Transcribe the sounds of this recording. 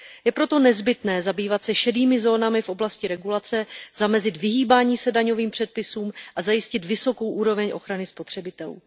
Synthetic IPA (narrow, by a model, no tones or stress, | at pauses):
jɛpɾo̞t̪o̞nɛzbɪt̪nɛːzabiːvat̪sɛʃɛdiːmɪzo̞ːnamɪfʔo̞blascɪɾɛɡulat͡sɛz̥amɛzɪt̪vɪɦiːbaːɲiːsɛdaɲo̞viːmpr̥ɛt̪̚pɪsuːmʔazajɪscɪt̪vɪso̞ko̞wʔuːɾo̞vɛɲʔo̞xɾanɪspot̪r̝̥ɛbɪt̪ɛlṵː